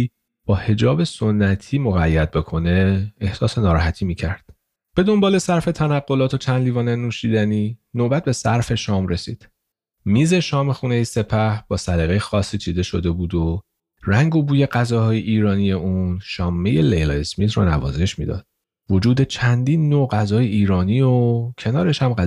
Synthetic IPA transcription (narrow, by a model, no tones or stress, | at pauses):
b̥ɒːhe̞d͡ʒɒːbe̞so̞nːæt̪ʰiːmoɣæjːæd̪̚be̞kʰo̞ne̞ehsɒːse̞nɒːɾɒːɦæt̪ʰiːmiːcʰæɾd̪̥ | b̥e̞d̪o̞mbɒːle̞sæɾfe̞t̪ʰænæɡːo̞lɒːt̪ʰo̞t͡ʃʰænd̪liːvɒːnenuːʃiːd̪æniːnoːbæt̪̚be̞sæɾfe̞ʃɒːmɾe̞siːd̪̥ | miːze̞ʃɒːme̞xuːne̞jese̞pʰæhb̥ɒːsæɾeɣejexɒːsːiːt͡ʃʰiːd̪e̞ʃo̞d̪e̞buːd̪o | ræŋɡobuːje̞ɢæzɒːhɒːjeʔiːɾɒːnije̞ʔunʃɒːmːeje̞lejlɒːesmiːt̪ronæ̰vɒ̰ːze̞ʃmḭːd̪ɒ̰ːd̪̥ | vo̞d͡ʒuːd̪e̞t͡ʃʰænd̪iːnːoɢæzɒːjeiːɾɒːniːocʰe̞nɒːɾe̞ʃhæmɢæ